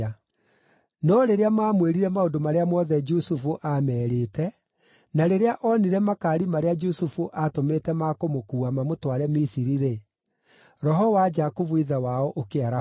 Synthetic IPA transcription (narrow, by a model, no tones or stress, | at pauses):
nɔɾeɾeamaːmweɾiɾɛmaodomaɾeamɔðɛd͡ʒusufuʔamɛːɾeːtɛ | naɾeɾeaʔɔniɾɛmakaːɾimaɾead͡ʒusufuʔatometɛmakomokuːamamotwaɾɛmisiɾiɾe | ɾɔɦɔwad͡ʒakuvuiðɛwaɔʔokeaɾa